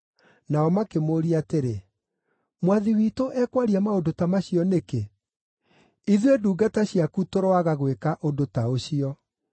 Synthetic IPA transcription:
naɔmakemoːɾiateɾe | mwaðiwitoʔɛːkwaɾiamaodotamaɕiɔneke | iðweduːɡataɕiakutoɾoaɣaɣwekaʔodotaoɕiɔ

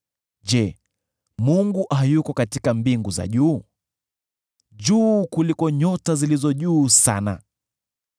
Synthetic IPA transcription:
ʄɛ | muŋɡuʔajukɔkatikambiŋɡuza̰ʄuː | ʄuːkulikɔɲɔtazilizɔʄuːsana̰

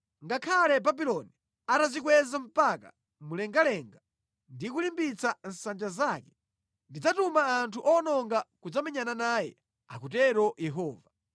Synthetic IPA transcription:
ŋɡakʰalɛbabilɔni | atazik̬wɛzam̩paka̰ | mulɛŋɡalɛŋɡa | ndikulimbit͡san̩sand͡ʒazaːkɛ̥ | ndid͡zatumaːntʰuʔɔnɔŋɡakud͡zamɛɲananaːjɛ̰ | a̰kutɛɾɔjɛɦɔːva

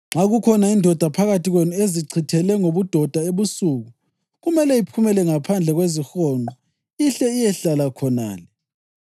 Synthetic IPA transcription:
ŋ͡ǁaɣukʰɔnaindʱɔd̥ʱapʰaɣatʰiɣwenɔeziǀʰitʰɛlɛŋoβud̥ʱɔd̥ʱaeβusuːɣu | ɣumɛlɛipʰumɛlɛŋapʰand͡ɮʱɛɣwezixɔnʱɔ | iɬɛijɛɬalakʰɔna̰ːlɛ

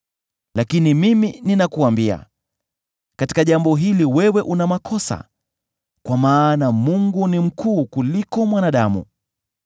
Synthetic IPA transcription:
lakinimimininakuambia̰ | kati̥kaʄambɔɦiliwɛwɛʔunamakʰɔsa̰ | kwamaːnamuŋɡunim̩kʰuːkulikɔmwanaɗamṵ

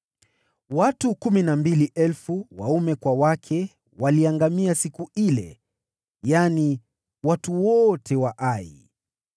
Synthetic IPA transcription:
watukuminambiliʔɛlfuwa̰umɛkwawakʰɛ | waliaŋɡamiasikuilɛ̰ | jani | watuwɔtʰɛwaʔaḭ

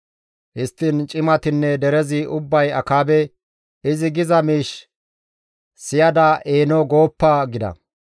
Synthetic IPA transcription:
hɪst̪ːɪnt͡ʃʼɪmɐt̪ɪnːɛd̪ɛɾɛzɪʔʊbːɐjɐkaːbɛ | ɪzɪɡɪzɐmiːʃ | sɪjɐd̪ɐʔeːnɔɡo̞ːpːɐɡɪd̪ɐ̰

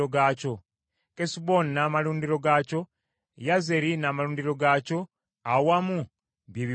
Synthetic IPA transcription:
oɡaːco̞ | kesibo̞nːaːmaluːndiɾo̞ɡaco̞ | jaze̞ɾinaːmaluːndiɾo̞ɡaːco̞ | awamu | βjeːβi

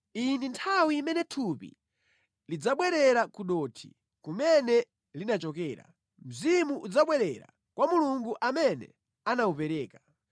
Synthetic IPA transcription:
inintʰawiːmɛnɛtʰupḭ | lid͡zaɓwɛɾɛɾakuɗɔtʰḭ | kumɛnɛ | linat͡ʃɔkɛːɾa̰ | m̩zimuʔud͡zaɓwɛɾɛɾa̰ | kwamuluŋɡuʔamɛnɛ̰ | anaupɛɾɛːka

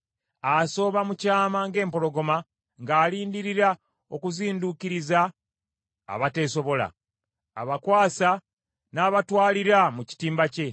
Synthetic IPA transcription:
aso̞ːβamucaːmaŋɡe̞ːmpo̞lo̞ɡo̞ma | ŋɡaːliːndiɾiɾa | o̞kuziːndukiɾiza̰ː | βate̞ːso̞βo̞la̰ː | βakwaːsa | naːβatwaːliɾamuci̥tiːmbace̞

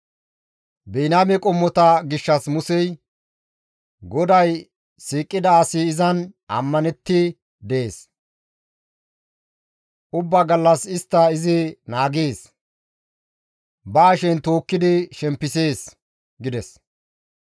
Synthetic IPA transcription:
bɛjnaːmɛkʼɔmːɔt̪ɐɡɪʃːɐsmʊsɛj | ɡɔd̪ɐj | siːkʼːɪd̪ɐːsɪːzɐnɐ̰mːɐnɛt̪ːɪ | d̪ɛeːs | ʔʊbːɐɡɐlːɐsɪst̪ːɐɪzɪnaːɡeːs | baːʃɛnt̪o̞ːkːɪd̪ɪʃɛmpːɪseːs | ɡɪd̪ɛs

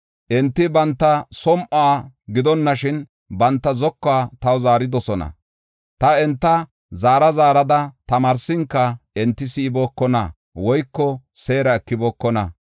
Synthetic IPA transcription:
ʔɛnt̪ːɪbɐnt̪ːɐsɔmʔaːɡɪd̪ɔnːɐʃɪn | bɐnt̪ːɐzɔkːaːt̪ɐwzaːɾɪd̪ɔsɔnɐ̰ | t̪ɐɛnt̪ːɐ | zaːɾɐzaːɾɐd̪ɐt̪ɐmaːɾsɪŋkːɐɛnt̪ːɪsɪːboːkːɔnɐ̰ | wɔjkːɔseːɾɐɛkːɪbɔːkːɔnɐ

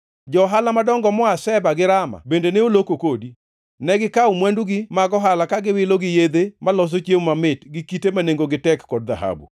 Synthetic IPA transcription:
d͡ʒɔɦalamadɔŋɡɔmɔasɛbaɡɪɾama̰bendeneolokokodi | nɛɡɪkaumwɛnduɡɪmaɡɔɦalakaɡɪwɪloɡɪjed̪emalɔs̬ot͡ʃjemmamɪtɡɪkitemaneŋɡoɡɪtɛkːɔd̚ðaɦa̰bṵ

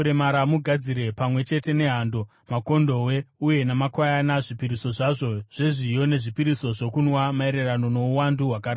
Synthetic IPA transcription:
ɾemaɾamuɡʱad͡ziɾe̞pamwe̞t͡ʃe̞te̞ne̞ɦaːndo̞ | mako̞ndo̞we̞uje̞namakwajanaʐipiɾiso̞ʐaʐo̞ʐ̥e̞ʐijo̞ne̞ʐipiɾiso̞ʐo̞kunwamae̞ɾe̞rano̞no̞uwanduɦwakarɾa

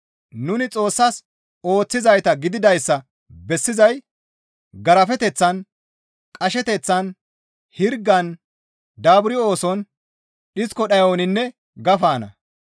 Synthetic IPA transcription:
nʊnɪt͡sʼo̞ːsːɐs | o̞ːt͡sːɪzɐjt̪ɐɡɪd̪ɪd̪ɐjsːɐ | bɛsːɪzɐj | ɡɐɾɐfɛt̪ɛt͡sːɐn | kʼɐʃɛt̪ɛt͡sːɐn | hɪɾɡːɐn | d̪aːbʊɾɪo̞ːsɔn | ɗɪskɔɗɐjoːnɪnːɛ | ɡɐfaːnɐ̰

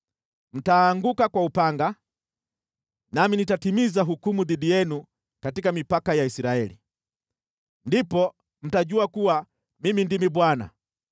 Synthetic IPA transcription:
m̩taːŋɡukakwaupaŋɡa | naminitatimizaɦukumuðiɗijɛnu | katikamipakajaisiɾaɛlḭ | ndipɔ | m̩taʄuakuwa | mimindimiɓwana̰

